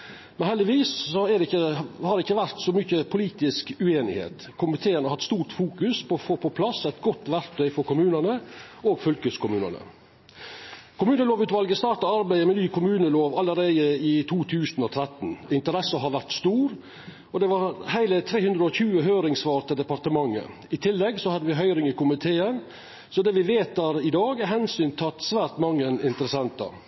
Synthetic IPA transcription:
mɛnhɛld̪ɪʋiːssɔɛd̪ɛɪəhɑɾɪçːəʋæɾt̪sɔmʏçəpʰʊliːt̪ɪskʉeːnɪ̰hḛːt̪ | kʰʊmɪt̪ʰeːənəɾhɑt̪st̪uːɾʈ̪fuːkʉspɔfoːpʰɔpʰlɑsæɪt̪ɡɔt̪ːʋæɾt̪ʰœʏfɔɾkʊmʉːnənəʔoːɡfœlkəskʊmʉːnə̰nə̰ | kʰʊmʉːnəloːʋʉːt̪ʋɑlɡəst̪ɑːɾʈ̪ɑɑɾbæɪəmɛnyːkʰʊmʉːnəloːʋɑləɾeɪd̪əɪt̪ʰuːt̪ʰʉːsnɔt̪ʰɾɛt̪n̩ɪnt̪əɾɛsɑɦɑɾʋæɾʈ̪st̪uːɾ | ɔd̪ɛʋɑɾhæɪlət̪ʰɾeːhʉnd̪ɾəɔçʉːəɦøːɾɪŋsʋɑːɾt̪əd̪ɛpɑɾt̪əmɑŋːə̰ | ɪt̪ʰɪlːɛɡsɔhɑd̪ːəʋɪɦœʏɾɪŋɪkʰʊmɪt̪ʰeːən | sɔd̪ɛːʋɪʋeːt̪æːɾɪd̪ɑːɡæɦɛnsyːnt̪ʰɑt̪sʋæːɾʈ̪mɑŋːənɪnt̪əɾəsɛnt̪ɑ̰

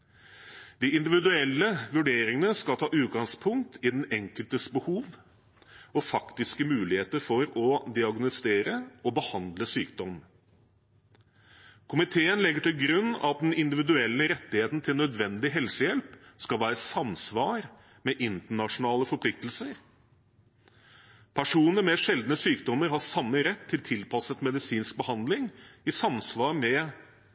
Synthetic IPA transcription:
d̪ɪɪnd̪ɪʋɪd̪ʉɛlːəʋʉɖeːɾɪŋənəskɑlt̪ʰɑːʔʉːt̪̚ɡɑŋspʰʊŋkt̪ʰɪd̪ɛnɛŋkəlt̪əsbəhuːʋ | ɔfɑkt̪ɪskəmʉːlɪheːt̪əɾfɔɾɔd̪ɪɑɡnʊst̪eːɾəɔbəhɑnd̪ləsyːkd̪ɔmən | kʰʊmɪt̪ʰeːənlɛɡːəʈɪlɡɾʉnːɑ̰ɑt̪̚d̪ɛnɪnd̪ɪʋɪd̪ʉɛlːəɾɛt̪ːɪheːt̪nt̪ʰɪlnœd̪ʋɛnd̪ɪɦɛlsəjɛlpskɑlʋæːɾəsɑmsʋɑːɾ | mɛʔɪnt̪əɳɑʂʊnɑːləfɔpʰlɪk̚t̪əlsəɾ | pʰæʂuːnəɾmɛʂɛld̪nəsyːkd̪ɔməɾɦɑʂɑmːəɾɛt̪ʰːɪlt̪ʰɪlpʰɑsət̪mɛd̪ɪsiːnsk̚bəhɑnd̪lɪŋɪsɑmsʋɑːɾmɛ

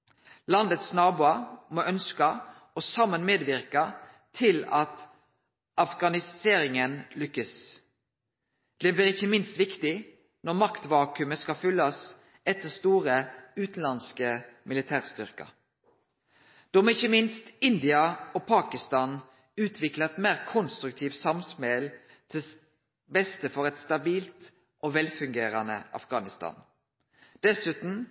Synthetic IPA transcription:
lɑnd̪ət̪snɑːbuːɑmoʔœnskɑ | ɔsɑmːənmeːd̪ʋɪɾkɑ | t̪ʰɪlɑt̪ | ʔɑfɡɑnɪseːɾɪŋənlʏkːəs | b̥̪ɛblɪʁɪçːəmɪnst̪ʋɪkt̪ɪ | nɔʁmɑkt̪ʋɑːkʉməskɑlfʏlːɑs | ɛt̪ːəʁst̪uːʁəʉːt̪n̩lɑnskəmɪlɪt̪ʰæːʁst̪ʏʁkɑ̰ | d̪̥ɔmɛɪçːəmɪnst̪ɪnd̪ɪɑɔpʰɑːkɪst̪ɑːn | ʉːt̪ʰʋɪklɑɛt̪mæːʁkʰʊnst̪ɾʉk̚t̪ʰiːʋ̪sɑmspɛl | t̪ʰɪ | bɛst̪əfɔʁɛt̪st̪ɑbiːlt̪ | ʔoʋɛlfʉŋɡeːɾɑnə̰ʔɑ̰fɡɑːnɪst̪ɑ̰ːn | d̪̥ɛsʉːt̪n̩

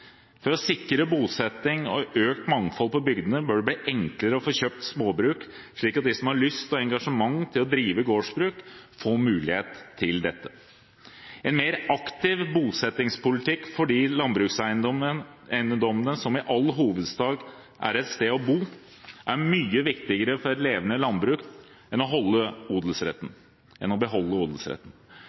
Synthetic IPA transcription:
fɔɾɔsɪkːɾəbuːsɛt̪ɪŋɔøːk̚t̪mɑŋfɔlpɔbʏɡd̪ənəbœɖɛbliːʔɛŋkləɾəɔfoːçøːp̚t̪smoːbɾʉːk | ʂɭiːkɑt̪̚d̪ɪsɔmhɑɾɭʏst̪ɔɛŋɡɑʂəmɑŋːt̪ʰɪlɔd̪ɾiːʋəɡoːʂbɾʉːkfoːmʉːlɪheːt̪ʰːɪld̪ɛt̪ːə | ɛnmeːɾɑkt̪ɪʋbuːlsɛt̪ːɪŋspʊlɪt̪ʰɪkːfɔɖiːlɑnbɾʉːksæɪ | æɪnəd̪ɔmənəsɔmɪʔɑlːɦuːʋəd̪sd̪ɑːɡ | ʔæ̰ɾɛt̪st̪eːɔbuː | ʔæɾmyːəʋɪkt̪ɪɡəɾəfɔɾɾleːʋənəlɑnbɾʉːk | ɛnɔɦɔlːəuːd̪l̩sɾɛ̰t̪ːn̩ | ʔɛnɔbəɦɔlːəuːd̪l̩sɾɛ̰t̪ːn̩

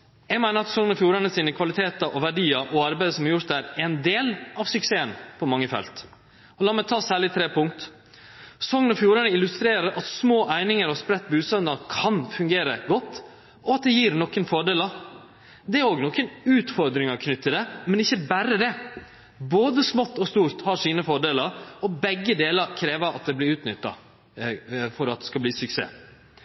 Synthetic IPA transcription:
jæɡmæɪnəɾɑt̪sɔŋnɔfjuːɾɑnəsiːnəkʰʋɑlɪt̪ʰeːt̪ɑʔɔʋæɖiːɑʔɔɑɾbæɪd̪əsɔmhɑɾjʊɾt̪̚d̪æɾɛɪnd̪eːlʔɑʋsʉkseːənpʰɔmɑŋːəfɛ̰lt̪ | ɔlɑːmæɪt̪ʰɑːsæːɭɪt̪ʰɾeːpʰʊŋkt̪ | sɔŋənɔfjuːɾənəɪlʉst̪ɾeːɾəɾʔɑt̪smoːʔæɪnɪŋəɾɔspɾɛt̪ːbʉːsœnd̪ɑkʰɑnfʉŋɡeːɾə̰ɡɔt̪ː | ɔɑt̪̚d̪ɛjiːɾnɔkːənfɔɖeːləɾ | d̪ɛæɾoːɡnɔkːənʉːt̪fɔɾd̪ɾɪŋɑkʰnʏt̪ʰːəd̪ɛmɛnɪçːəbæɾəd̪ɛ | boːd̪əsmɔt̪ːɔst̪uːɾt̪hɑʂiːnəfɔɖeːləɾɔbɛɡːəd̪eːləkʰɾeːʋəɾɑ̰t̪̚d̪ɛblɪɾʉːt̪nʏt̪ːɑ̰ | fɔɾɑt̪̚d̪ɛskɑbliːsʉksḛː

